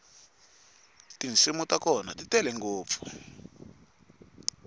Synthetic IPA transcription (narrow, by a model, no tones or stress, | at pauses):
tint͡simutakɔna̰titɛlɛŋɡoːp̪fu̥